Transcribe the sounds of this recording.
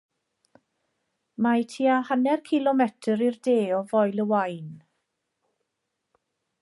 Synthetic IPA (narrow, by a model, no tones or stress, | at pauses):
majtʰiːahanɛrkʰɪlɔmɛtʰəɾirdeːɔvɔjlˠəwajn